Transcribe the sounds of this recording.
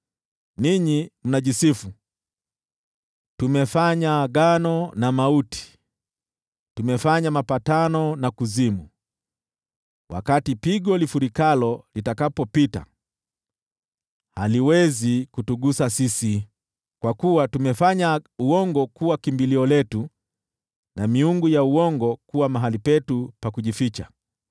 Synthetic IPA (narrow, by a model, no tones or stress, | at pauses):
niɲim̩naʄisifu | tumɛfaɲaɠanɔnamautʰi̥ | tumɛfaɲamapatanɔnakuzimu | wʔa̰katipiɠɔlifuɾikalɔlitakapɔpita̰ | haliwɛzikutuɠusasisi | kwakuwatumɛfaɲauɔŋɡɔkuwakimbiliɔlɛtu | namiuŋɡujauɔŋɡɔkuwamaɦalipɛtupakuʄifit͡ʃa̰